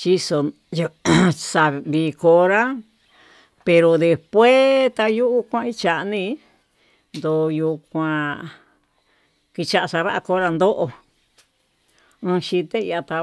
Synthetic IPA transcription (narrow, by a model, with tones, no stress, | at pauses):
t͡ʃi˦so˧ | sa˧βi˧ko˧ɾa˦ | pe˧ɾo˧ðe˧spwe˦t̪a˧ju˦ʔu˦kʷã˧i˦t͡ʃa˨ʔnĩ˧ | nd̪o˨˧ju˧kʷã˧ | ki˧t͡ʃa˧ʔa˧sa˧βa˦a˧ko˧˦ɾa˧nd̪o˦ʔo˧ | ɨ̃˧ʃi˧t̪e˦i˧a˧t̪a˧